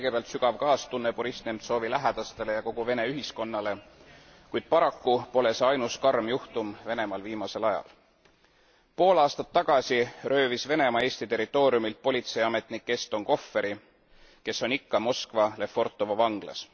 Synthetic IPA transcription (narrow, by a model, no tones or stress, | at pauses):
kɤjɡ̥e̞peɑlt̪syɡ̥ɑvkɑːst̪unːepuɾist̪nemt̪so̞ːvilæɦæd̪̥ɑst̪e̞le̞jɑko̞ɡ̥uve̞ne̞yɦisko̞nːɑle̞ | kujd̪̥̚pɑɾɑkːupo̞le̞seɑjnuskɑrmjuht̪umve̞ne̞mɑlviːmɑse̞lɑjɑ̰l | po̞ːlɑːst̪ɑt̪ːɑɡ̥ɑsirø̞ːvisve̞ne̞mɑe̞ːsʲt̪it̪e̞ɾit̪ːˑo̞ːɾiumilt̪̚po̞lʲit̪se̞jɑme̞t̪ˑnikːe̞st̪o̞ŋko̞fːe̞ɾi | ke̞sːo̞nikːɑmo̞skvɑle̞fːo̞rt̪ːˑovɑvɑŋɡ̥lɑ̰s